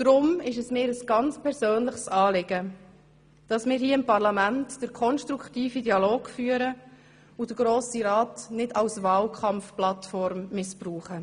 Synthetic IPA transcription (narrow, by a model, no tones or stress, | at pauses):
d̥ɾʊmɪʃəsmɪːɾəsɡ̥ɑnt͡spʰɛɾsøːnləχsɑːlɪɡ̥ə | d̥ɑsmɪːɾhiːɪmpɑʁlɑmæntd̥əɾkʰɔnʃtɾuktiːfidiɑloːɡ̥fyːəɾə | ʊd̥əɡ̥ɾoːsiɾɑːtnɪdɑwsvɑːlkʰɑmfplɑtfɔɾmːɪspruːχə